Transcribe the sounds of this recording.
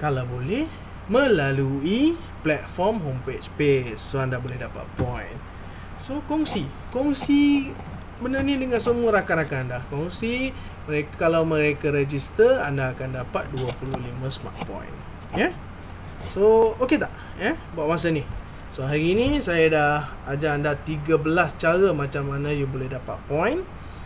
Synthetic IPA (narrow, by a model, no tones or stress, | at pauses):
kalawbolɛh | mə̃lalui | plɛt̪̚fɔrmɦompet͡ʃpesːoandabolɛhdapa̰t̪̚pɔjn | sokɔŋsi | kɔŋsi | bənənidəŋansəmuaɾakanakaandakɔŋsi | məɾekkalawməɾekaɾed͡ʒist̪ərandaːkandapat̪̚duapuluhlimãsma̰t̪̚pɔ̰̃jn | ja | sooket̪aʔ | jabuaʔwas̬ani | soɦaɾiːnisajadah | ad͡ʒaːndat̪iɡabəlast͡ʃaɾamat͡ʃamːanajubolɛhdapa̰t̪̚pɔjn